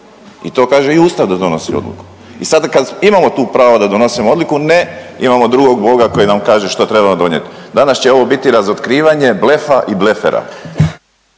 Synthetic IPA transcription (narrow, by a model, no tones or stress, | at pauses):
it̪o̞ːkaːʒe̞iuːst̪aʋd̪ad̪o̞no̞sḭod̪lḭku̥ | isad̪akad̪imamo̞t̪uːpɾaːʋod̪ad̪o̞no̞simoo̞d̪likuneḭmamod̪ɾuɡo̞ɡbo̞ɡako̞jinamkaːʒe̞ʃt̪o̞t̪ɾebamod̪o̞ɲḛt̪ | d̪anast͡ɕe̞oʋo̞bit̪iɾazot̪kɾiːʋaɲe̞ble̞faʔiblefḛɾa̰